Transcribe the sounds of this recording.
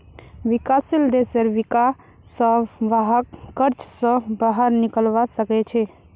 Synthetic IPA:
ʋikasild̪esəɾʋika | səbʋaɦəkːəɾt͡ʃsə̃baɦəɾnikəlʋasəkɛt͡ʃʰɛ

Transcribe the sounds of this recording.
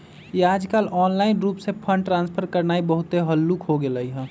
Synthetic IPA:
jeaːd͡ʒkaːlɔːnlaːɪnɾuːpsepʰə̃ɳɖʈɾãːnspʰəɾkəɾnaːibəɦʊt̪eɦəlːukɦoɡeləiɦɛ̃

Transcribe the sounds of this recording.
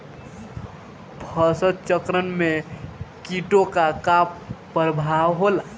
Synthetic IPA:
bʰʱəsət̪̚t͡ʃəkɾənmekiʈokakapː | əɾbʱawɦola

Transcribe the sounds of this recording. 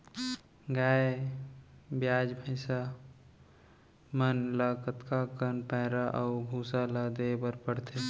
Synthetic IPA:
ɡaːe | bjaːd͡ʒbʱəɪsa | mənləkət̪kakənpɛ̃ɦɾaʔəʊɡʱuːsaləd̪ebəɾpəɽt̪ʰe

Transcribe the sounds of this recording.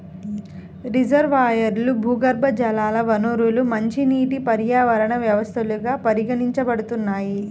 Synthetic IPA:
ɾid͡ʒɐɾʋaːjɐɾlubʱuːɡɐɾbʱɐd͡ʒɐlaːlɐʋɐnoɾulumɐɲt͡ʃiniːʈipɐɾjaːʋɐɾɐɳɐʋjɐʋɐst̪ʰɐluɡaːpɐɾiɡɐɳiɲt͡ʃɐbɐɽut̪unːaːji

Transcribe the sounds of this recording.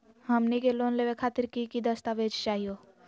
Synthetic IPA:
ɦəmnekeloːnleʋekʰaːt̪ɪɾkikid̪əst̪aʋeːd͡ʒt͡ʃaːɦijoː

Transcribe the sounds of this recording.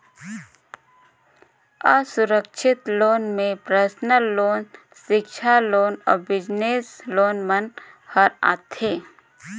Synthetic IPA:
əsʊɾəkʃʰɪt̪loːnmẽpɾəsnəlːoːn | ʃɪkʃʰaloːnɔ̰ːɾbɪd͡ʒneːsloːnmən | həɾa̰ːt̪ʰheː

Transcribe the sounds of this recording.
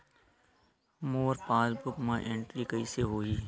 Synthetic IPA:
moːɾpaːlbʊkmãːʔẽːɳʈɾiːkəiːseːɦoːiː

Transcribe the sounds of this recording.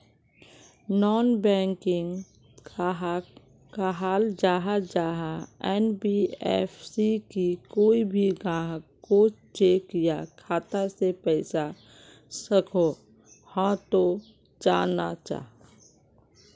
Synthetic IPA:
nɔːnbɛ̃ːŋkɪ̃ŋ | kaɦaːld͡ʒaːɦad͡ʒaːɦaɛnbiɛ̰ːfsikikoːibʱiɡãːɦkot͡ʃeːkjakʰaːt̪asepɛɪsa | səkʰo | hãt̪o | d͡ʒaːna̰t͡ʃa̰ːɦ

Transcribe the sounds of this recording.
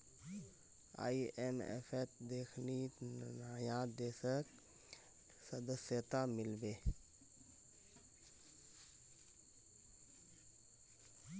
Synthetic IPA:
a̰ːiemɛ̰fʰɛt̪d̪eːkʰninaːjãd̪eːsək | səd̪əsjət̪amɪlbeː

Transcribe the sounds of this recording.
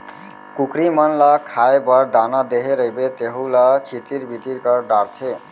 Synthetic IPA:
kukɾimʌnlʌkʰaebəɾd̪anad̪eɦeɾəibet̪eɦũlʌt͡ʃʰit̪iɾbʱit̪iɾkəɾɖaɾt̪ʰe

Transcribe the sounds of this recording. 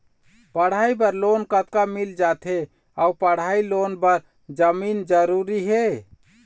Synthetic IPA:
pəɽ̤aibəɾlonkət̪̚kamild͡ʒat̪ʰe | aupəɽ̤ailonbəɾ | d͡ʒəmind͡ʒəɾuɾiɦe

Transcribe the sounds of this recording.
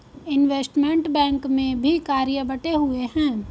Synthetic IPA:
ɪnʋeːsʈmẽɳʈbɛ̃ːŋkmẽbʱikaːɾijəbɐʈeɦueɦɛ̃ː

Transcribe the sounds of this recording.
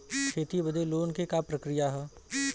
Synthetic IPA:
kʰeːt̪ibəd̪eloːnkekapɾɐkɾɪjaɦɛː

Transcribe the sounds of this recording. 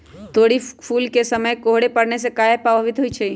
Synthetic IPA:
t̪oɽipʰulkesəməjkoɦɽepəɽnesekaepəbʱəʋit̪ɦojt͡ʃʰɛ

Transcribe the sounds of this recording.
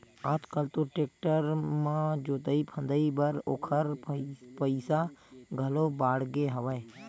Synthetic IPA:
aːt̪kəlt̪oʈeːk̚ʈəɾmãd͡ʒoːt̪əipʰə̃nd̪əibəɾoːkʰəɾpəɪsaɡʱəlobaːɽɡeɦəʋəe

